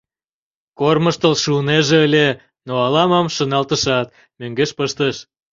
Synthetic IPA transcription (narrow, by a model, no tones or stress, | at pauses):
korməʃt̪əlʃuəneʒeəlʲe | noɑlɑmɑmʃənɑlt̪əʃɑt̪ | møŋɡeʃpəʃt̪əʃ